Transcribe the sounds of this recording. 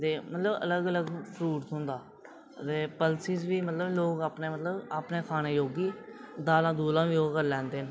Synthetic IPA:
t̪eːmət̪ləbə̰ləɡələɡpʰɾuːʈ̪ɦʊ̃nd̪aː | t̪eːpəlsiːzʋiːmət̪ləbloːkaːpneːmət̪ləbaːpneːkʰaːñeːjoːɡiːd̪aːlãːd̪uːlãːʋiːjoːɡkəɾlɛ̃ːnd̪eːn

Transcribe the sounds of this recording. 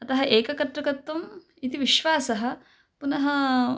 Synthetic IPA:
ɐt̪ɐɦɐʔeːkɐkɐt̪ɾɐkɐt̪ːɐm | it̪iʋiʃʋaːsɐɦɐ̆ | punɐɦɐ

